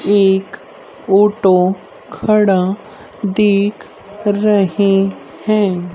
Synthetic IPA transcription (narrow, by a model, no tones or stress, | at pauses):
eːk | oːʈo | kʰɐɽa | d̪eːkʰ | ɾɐɦe | hɛ̃ː